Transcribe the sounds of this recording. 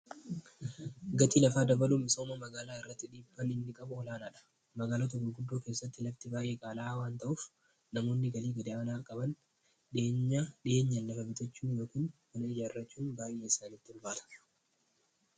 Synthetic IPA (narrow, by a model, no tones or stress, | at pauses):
ɡɐt̪iːlɐfaːd̪ɐbɐluːmɪso̞ːmɐmɐɡaːlaːɪrːɐt̪ːɪᶑiːbːɐnɪnːɪkʼɐbʊɔlaːnaːᶑɐ̥ | mɐɡaːlat̪ʊɡɐɡʊd̪ːoːkeːsːɐt̪ːɪlɐft̪ɪbaːjʔeːkʼaːlaːwaːnt̪ɐʔʊːf | nɐmo̞ːnːɪɡɐliːɡɐd̪ɪʔaːnaːkʼɐbɐn | ᶑeːɲːaᶑɪeːɲːɐnlɐfɐbɪt̪ɐt͡ʃːuːnjo̞ːkiːnmɐnɐɪd͡ʒaːɪrːɐt͡ʃːuːnbaːjʔe̞ːɪsaːnit̪ːɪlbaːt̪ɐ̥